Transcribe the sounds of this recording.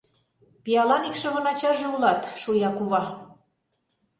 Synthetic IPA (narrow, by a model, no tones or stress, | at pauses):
piɑlɑnikʃɤ̆βɤ̆nɑt͡ɕɑʒĕulɑt̪ʃujɑkuβɑ